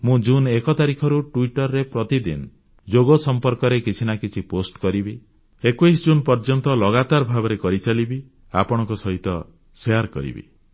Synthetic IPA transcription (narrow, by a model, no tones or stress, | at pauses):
mũd͡ʒunekɔt̪aɾikʰɔɾuʈuiʈɔɾːepɾɔt̪id̪ḭn | d͡ʒoɡosɔmpɔɾkɔɾekit͡ʃʰinakit͡ʃʰiposʈkɔɾibi | ekuis̬d͡ʒunpɔɾd͡ʒɔnt̪ɔlɔɡat̪aɾbʱabɔɾekɔɾit͡ʃalibi | apɔɽ̃ɔ̃ŋkɔsɔɦit̪ɔ | seaɾkɔ̰ɾḭbḭ